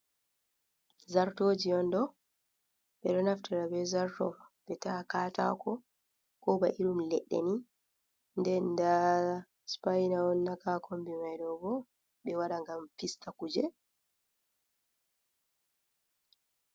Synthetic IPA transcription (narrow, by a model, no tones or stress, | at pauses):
zaɾtoːd͡ʒiɔndɔ | ɓɛɗɔnaftaɾabɛzaɾtɔ̰ɓɛtakaːta̰kɔ | kɔbaʔiɗumlɛɗːɛ̰ni | ndɛnda | spajnawɔnːakakʰombimajɗɔbɔ | ɓɛwaɗaŋɡamfistakud͡ʒɛ